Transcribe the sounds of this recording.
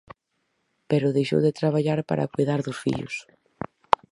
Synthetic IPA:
peɾʊðejʃo̰wðet̪ɾaβaʎaɾpa̰ɾʔa̰kujðaɾðʊsfḭʎʊ̰s

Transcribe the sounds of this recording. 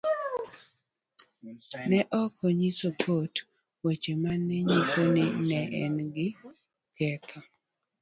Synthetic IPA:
nɛʔɔkɔɲisokʰot | wet͡ʃemanːɛɲisonɪnɛʔɛnɡɪ | kɛtʰɔ

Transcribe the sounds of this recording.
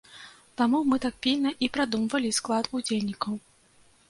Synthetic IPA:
t̪amumɨt̪ak̚pʲilʲnɐʔipɾad̪umvɐlʲisklˠat̪ud͡zʲelʲnʲikɐw

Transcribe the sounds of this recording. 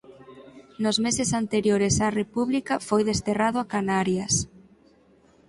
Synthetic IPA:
nozmesesant̪eɾjoɾesɐrepuβlikafojðest̪eraðoakanaɾjɐs

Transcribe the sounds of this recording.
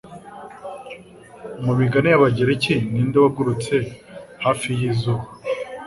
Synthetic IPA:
mumiɡanejaβaɟeɾeciniːndaβaɡuɾut͡se̞haːfijizu

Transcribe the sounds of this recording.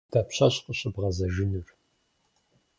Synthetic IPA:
d̥aːpɕɐɕqəɕʼɨbʁɐzɐʒɪnur

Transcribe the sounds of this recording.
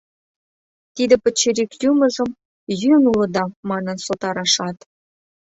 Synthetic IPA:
t̪id̪ɘ̆pɘ̆t͡ɕːĕɾikjumə̆zɤ̆m | jynulɤ̆d̪ɑmɑnə̆nsot̪ɑɾɑʃɑt̪

